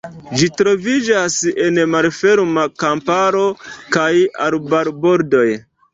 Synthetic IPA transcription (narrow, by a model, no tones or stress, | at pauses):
d͡ʒitɾo̞vid͡ʒase̞nmalfe̞ɾmakampaɾo̞kaja̰lbaɾbo̞ɾdo̞j